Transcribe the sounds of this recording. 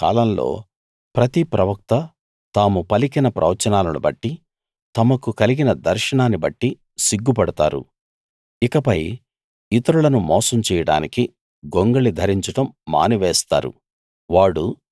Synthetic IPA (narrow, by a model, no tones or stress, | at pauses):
ka̰ːlɐmlo̞̰ː | pɾɐt̪ipɾɐʋɐk̚t̪ɐ | t̪aːmupɐlikinɐpɾʔɐ̰ʋɐt͡ʃɐnaːlɐlṵbɐ̰ʈːi | t̪ɐmɐkukɐliɡinɐd̪ɐɾʂɐɳaːnːibɐʈːi | siɡːupɐɽɐt̪a̰ːɾṵ | ikɐpɐj | it̪ɐɾuɭɐnumɔːsɐmt͡ʃɛːjɐɽa̰ːniki | ɡoŋɡɐɭid̪ʱɐɾiɲt͡ʃuʈɐmːa̰ːniʋeːst̪a̰ːɾṵ | ʋaːɽu